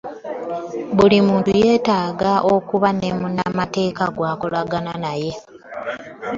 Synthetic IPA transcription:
βulimuːntuje̞ːtaːɡaʔo̞kuβanemuna̰mate̞ːkaɡwaːko̞laɡananaje̞

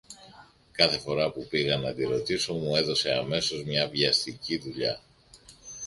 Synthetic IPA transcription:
kɐθe̞fo̞ɾɐpupiɣɐnɐd̪iɾo̞t̪iso̞mue̞ðo̞se̞ɐme̞so̞zmɲɐviɐst̪iciðuʎɐ

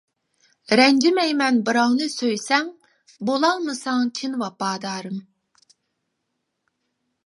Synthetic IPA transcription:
ɾɛnd͡ʒimɛjmɛnbɨɾɑwnɨsøjsɛŋ | bolˠɑlˠmɨsɑŋt͡ʃʲʰinvɑpɑːd̪ɑːɾɨm

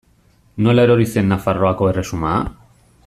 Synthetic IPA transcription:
no̞elaeɾo̞ɾise̞nːafaro̞ako̞e̞re̞suma̰ː

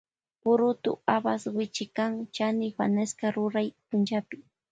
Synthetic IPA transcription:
pʊɾʊt̪ʊ̰abaswɪt͡ʃɪkaŋt͡ʃanɪwa̰naskaɾʊɾajpʊnt͡ʃapɪ

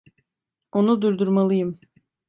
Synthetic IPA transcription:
onud̪uɾd̪uɾmalˠɯjɯm

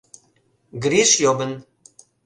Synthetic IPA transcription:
ɡɾiʃjobə̆n

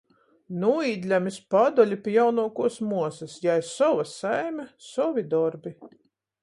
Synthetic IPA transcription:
nuiːd̪ʲlʲamʲispad̪ɔlʲipʲijawnuɔkuɔsmuɔsɐsjajsɔvasajmʲasɔvʲid̪ɔɾbi

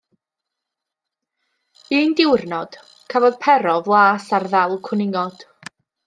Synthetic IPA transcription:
iːndɪwrnɔd̥ | kʰavɔðpʰɛɾɔvlˠaːsarðɛlˠkʰwʊnɪŋɔd̥

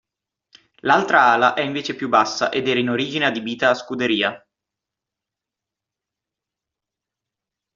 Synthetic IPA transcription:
lalt̪ɾaaːlaʔɛiɱveːt͡ʃepjubːasːa̰ʔed̪ɛːɾainoɾiːd͡ʒinead̪ibiːt̪aːskud̪eɾiːa

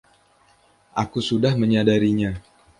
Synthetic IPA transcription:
ʔakusudahməɲadaɾiɲa

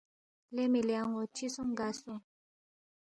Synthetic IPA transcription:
lɛmelɛaŋɔt͡ʃisɔŋɡasɔ

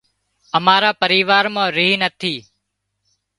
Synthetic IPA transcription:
əmaːɾaːpəɾiːʋaːɾmãːɾiɦnət̪ʰiː

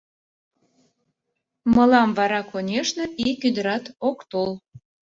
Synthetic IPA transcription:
mə̆lɑmvɑɾɑkonʲeʃneʔikyd̪əɾɑt̪okt̪ol

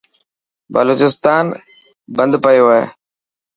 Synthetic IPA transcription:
bəloːt͡ʃɪst̪aːn | bə̃nd̪pəjoːɦḛː

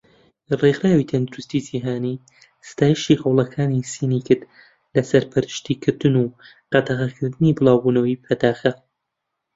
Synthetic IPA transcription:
rexɾaːwit̪ʰɐnd̪ɨɾust̪id͡ʒiːɦaːniː | sɨ̥t̪ʰaːjiʃihɐwlˠɐkʰaːnisinikɨt̪ | lɐsɐɾpʰɨɾɨʃt̪iːkʰɨɾd̪ɨnuː | qɑd̪ɐʁɐkʰɨɾd̪ɨnibɨlˠaːwbuːnɐwipʰɐd̪aːxɐ

